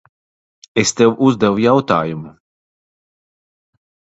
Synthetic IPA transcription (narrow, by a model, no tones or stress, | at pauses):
est̪ewʔuzd̪ɛwujawt̪aːjumu